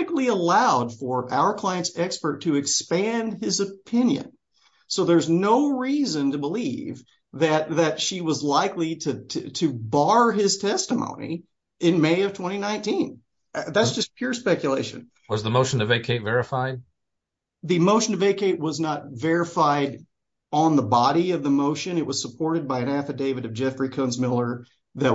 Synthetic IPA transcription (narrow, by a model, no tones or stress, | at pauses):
ɨkliəlaʊd̥fə˞ʔa̰ʊə˞kʰl̥aɪɨ̃ntsɛkspə˞tʰɨɨkspæ̃nd̚ɪzɨpʰɪ̃njɨ̰̃n | soʊðə˞znoʊɹizɨ̃ntɨbəlḭv | ðɨt̪̚ðɨtʃiwʌzlaɪkliɾɨtʰɨbɑɹɪz̥tʰɛstəmõ̰ʊ̃nḭ | ɪ̃nmeɪʌv̥tʰw̥ɛ̃ɾ̃inãɪ̃ntĩn | ðætssd̥ʒ̥ʌspʰj̥ʊɹspɛkjɨleɪʃɨ̰̃n̩ | wʌzðəmoʊʃn̩ɨveɪkʰeɪtvɛɹɨfaɪd̚ | ðimoʊʃɨ̃n̩ɨveɪkʰeɪʔ̚wʌznət̚vɛɹɨfaɪɾ | n̩ðəbɑɾiʌvðəmoʊʃɨ̃nɨʔ̚wʌz̥səpʰɔɹɾɨd̚baɪɨ̃næfɨdeɪvɨɾʌvd͡ʒɛfɹikʰõʊ̃nzmɪlˠə˞ | ðɨt̚